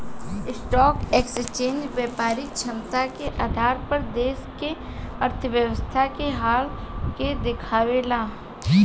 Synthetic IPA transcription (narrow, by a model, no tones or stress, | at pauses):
ɪsʈɔːkeːkst͡ʃẽːnd͡ʒʋjaːpaːɾɪk̚t͡ʃʰɐ̃nt̪akeʔaːd̪ʱaːɾpəɾd̪eːskeɐɾt̪ʰəʋjəwəst̪ʰakeɦaːl | ked̪ɪkʰaːʋeːlaː | i